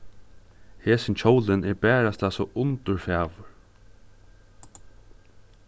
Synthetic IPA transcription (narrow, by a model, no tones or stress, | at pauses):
heːsɪnt͡ɕʰɔwlɪnɛɹbæːɾast̪aːsɔʔʊnt̪ʊɹfɛːʋʊɹ